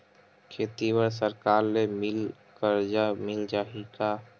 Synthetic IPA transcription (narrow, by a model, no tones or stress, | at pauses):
kʰeːt̪iwəɾs̬əɾkaːɾlemɪl | kəɾd͡ʒamɪld͡ʒaɦika